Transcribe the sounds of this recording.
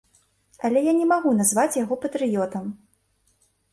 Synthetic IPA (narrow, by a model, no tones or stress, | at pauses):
ɐlʲɛjanʲɛmaɣunazvat͡sʲjaɣɔpɐt̪ɾɨjɔt̪ɐm